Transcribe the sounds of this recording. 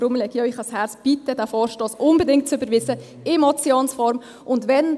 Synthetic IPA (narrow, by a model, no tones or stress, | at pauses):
ɾʊmlɛɡjœʏχɑshæɾt͡sb̥itədæfɔːɾʃtoːsʔʊnbɛdɪŋt̚t͡sybəɾʋɪzə | ɪmɔt͡sjoːnsfɔɾm | ʔʊndʋɛn